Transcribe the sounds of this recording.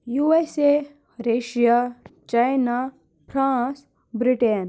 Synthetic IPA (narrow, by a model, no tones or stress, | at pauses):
juese | ɾeːʃijat͡ʃajna | pʰɾãːs | bɾiʈen